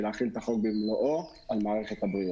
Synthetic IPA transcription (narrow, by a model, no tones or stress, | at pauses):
leaχilt̪aχok̚bimloʔo | almaːʁe̞χet̪habʁi